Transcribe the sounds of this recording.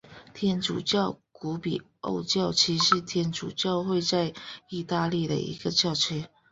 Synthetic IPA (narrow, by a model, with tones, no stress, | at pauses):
t̪ʰjɛ˥nʈ͡ʂṵ˨˩t͡ɕjɑ˥˨ʊku˧˥˦pḭ˨˩ | o̰˥˧ʊt͡ɕjɑ˥˩ʊt͡ɕʰi˧˥ʂɻ̩˧˥t̪ʰjɛ˧˥nʈ͡ʂṵ˨˩t͡ɕjɑ˥˧ʊxwe˥˧ɪt͡sa˥˧ɪi˥˧t̪a˥˧li˥˩d̪ə̰˩ḭ˧˥ɡ̥ə˨t͡ɕjɑ˥˩ʊt͡ɕʰɛ˥